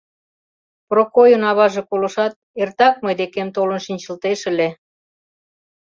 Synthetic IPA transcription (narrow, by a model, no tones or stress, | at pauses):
prokojənɑβɑʒekolə̆ʃɑt̪̚ert̪ɑk̚mɤjd̪ekemt̪olə̆nʃinʲt͡ɕə̆lt̪eʃə̆le